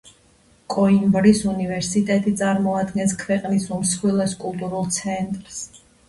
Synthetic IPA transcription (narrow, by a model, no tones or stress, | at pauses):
kʼɔimbɾisunivɛɾsit̪ʼɛt̪ʼit̪sʼaɾmɔad̪ɡɛnskʰvɛqʼnisumsχwilˠɛskʼulˠt̪ʼuɾulˠt̪sʰɛnt̪ʼɾs